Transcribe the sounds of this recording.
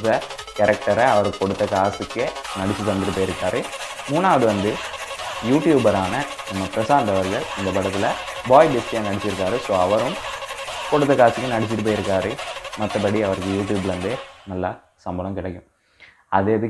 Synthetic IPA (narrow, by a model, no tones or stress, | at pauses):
ðɐ | kɐɾɛk̚ʈɐɾɐɐʋɐɾkːɔɽɯt̪ːɐkaːsɯkːɯnɐɽɪt͡ʃːit̪ɐnd̪ɪɾɯp̬ːoːjɪɾɯkːaːɾɯ | muːnːaːɐðɯʋɐnd̪ɯjuːʈjuːbɐɾaːnɐ | nɐmːɐpɪɾɐsaːnd̪ɐʋɐɾɣɐɭɪnd̪ɐpɐɽɐt̪ːɪlɐbaːjɪbɪsjaːnɐɽɪt͡ʃːɪɾɯkːaːɾɯsoːɐʋɐɾɯm | kɔɽɯt̪̬ːɐkaːsɪkːɯnɐɽɪt͡ʃːɪɾɯp̬ːoːjɪɾɯkːaːɾɯmɐt̪ːɐpɐɽiɐʋɐɾɯkːɯjuːʈ̬juːblʋɐnd̪ɯnɐlːaː | sɐmbɐnɐmkɪɭɐkːɯ̃ | ɐðɯːɐðɯ